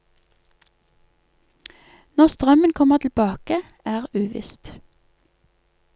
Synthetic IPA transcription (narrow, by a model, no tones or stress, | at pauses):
nɔʁst̪ʁœmənkʰɔməʁt̪ʰl̩bɑːkə | æːʁʉːʋɪ̰st̪